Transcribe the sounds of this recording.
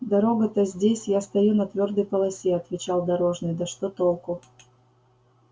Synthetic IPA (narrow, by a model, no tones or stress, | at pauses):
d̪ɐɾo̞ɡət̪əzʲdʲesʲjast̪ɐjunɐt̪vʲo̞rd̪əjpəlˠɐsʲeɐt̪vʲɪt͡ɕalˠd̪ɐɾo̞ʐnɨjd̪ɐʂt̪ot̪olˠkʊ